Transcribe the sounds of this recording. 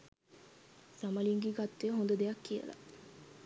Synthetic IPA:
sɐmɐliŋɡiɡɐt̪ːeɦond̪ud̪ejɐkːijɐ̰la̰

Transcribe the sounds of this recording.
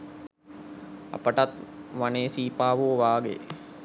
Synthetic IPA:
a̰pəʈat̪ʋaneːsiːpaːʋoːʋaːɡḛ

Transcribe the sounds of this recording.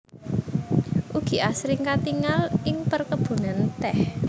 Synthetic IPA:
ʔuɡ̥i̤ʔasɾɪŋkat̪iŋalɪŋpərkəb̥ṳnant̪ɛh

